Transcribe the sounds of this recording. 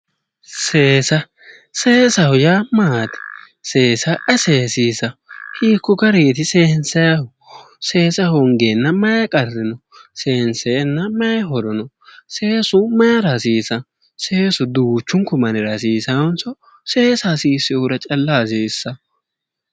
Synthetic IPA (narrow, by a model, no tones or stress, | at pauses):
seːsɐ | seːsɐhʊjaːmaːt̪ɛ̥ | se̞ːsɐʔɛseːsiːsɐhiːkːɔɡɐɾeːt̪ɪseːhnsɐjɐhʊ | se̞ːsɐhɔŋɡenːɐmɐjɐkʼɐrːɪnɔseːnsɛjɛnːɐmɐjɦɔɾɔnɔ | se̞ːsʊmɐjɐɾasiːsɐ | seːsʊd̪uːt͡ʃːʊŋkʊmɐnɪɾɐsiːsɐɔnsɔ | se̞ːsasiːsɪʊɾɐt͡ʃʼɐlːaːsiːsːɐ